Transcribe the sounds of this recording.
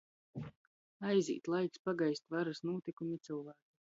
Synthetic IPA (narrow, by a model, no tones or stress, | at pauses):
ajzḭːt̪lˠajkspaɡajsʲt̪vaɾasnuɔt̪ikumit̪sɨlˠvaːku